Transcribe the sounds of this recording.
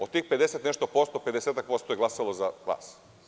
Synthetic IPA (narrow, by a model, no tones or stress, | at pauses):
ot̪iːxpe̞d̪eset̪neʃt̪opo̞st̪ope̞d̪eset̪ak̚po̞st̪ojeɡlˠasalo̞zaʋa̰ːs